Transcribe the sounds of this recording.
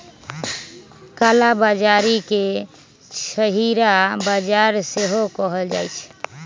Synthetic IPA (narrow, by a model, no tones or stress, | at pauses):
kalabad͡ʒaɾike | ʃəɦiɾabad͡ʒaɾseɦokɔɦəld͡ʒa̰jt͡ʃʰ